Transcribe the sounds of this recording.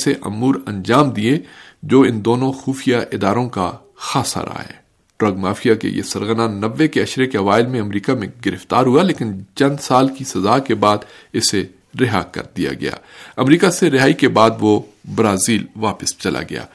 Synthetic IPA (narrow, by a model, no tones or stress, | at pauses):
seʔɐ̰muːɾɐ̰̃nd͡ʒaːmd̪iẽd͡ʒoːɪnd̪oːnõxuːfijaʔɪd̪aːɾõka | xaːsa̰ɾa̰ːɦɛ̰ː | ʈɾɐɡmaːfijakḛjḛsɐɾɣənanɐʋːekeɐʃɾekeɐʋaːɪlmẽɐmɾiːkamẽɡɪɾɪft̪aːɾɦualeːkɪnt͡ʃɐ̃nd̪saːlkisɐzaːkebaːd̪ɪse | ɾɪɦaːkɐ̰ɾd̪ija̰ɡɐ̰ja̰ːɐmɾiːkaseɾɪɦaːikebaːd̪ʋobɾaːziːlʋaːpəst͡ʃɐlʔa̰ɡɐ̰ja̰ː